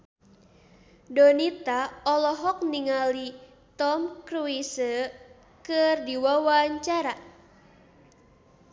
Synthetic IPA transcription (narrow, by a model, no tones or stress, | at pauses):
dɔnit̪aɔlɔɦɔk̚niŋali | t̪ɔmkɾuisə | kɨrdiwawaɲt͡ʃaɾa